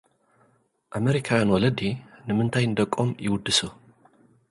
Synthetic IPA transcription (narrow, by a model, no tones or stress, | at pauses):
ʔameɾikʰawjanwɔlɐd̪inɨmɨnt̪ʰajnd̪ɐkʼːomjɪwʊd̪ːɨso